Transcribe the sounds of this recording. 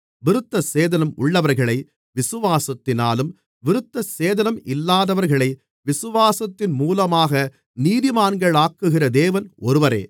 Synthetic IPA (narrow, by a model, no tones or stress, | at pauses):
ʋɪɾɯt̪ːɐseːðɐnɐmʊ̰ɭːɐʋɐɾɣɐɭɐɪ | ʋɪsɯʋaːsɐt̪ːɪna̰ːlɯm | ʋɪɾɯt̪ːɐseːðɐnɐmɪlːaːðɐʋɐɾɣɐɭɐɪ | ʋɪsɯʋaːsɐt̪ːɪnmuːlɐmaːɣɐ | niːðɪmaːnɡɐɭaːkːɯɣɪrɐd̪eːʋɐnɔɾɯʋɐɾḛː